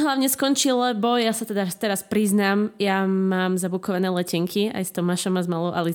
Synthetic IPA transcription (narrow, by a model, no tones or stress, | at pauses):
ɦlaʊɲɛskɔnt͡ʃilɛbɔjasat̪ɛd̪at̪ɛɾaspɾiznaːmjamaːmzabukɔʋanɛːlɛcɛŋkʰia̰jst̪ɔmaʃɔmazmalɔʊʔa̰li